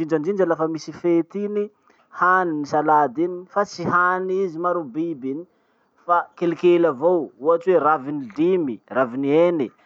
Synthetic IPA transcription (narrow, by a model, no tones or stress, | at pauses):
ind͡ʒand͡ʒind͡ʒalafəmisifet̪ini | haninisalad̪inifat͡siɦanizimaɾubibini̥ | fakelikelavowuaʈ͡ʂweravinilimiravinieni